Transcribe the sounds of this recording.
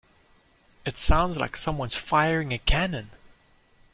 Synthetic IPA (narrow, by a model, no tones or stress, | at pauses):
ɨtsãʊ̃ndzla̰ɪksʌ̃mwʌ̃nz̥faɪə˞ɪ̃ŋɨkʰænɨ̃n